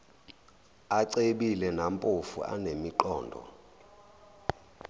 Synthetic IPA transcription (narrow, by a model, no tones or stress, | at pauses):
aǀeɓilɛnampʼofṵʔa̰nemiǃɔːndʱɔ̰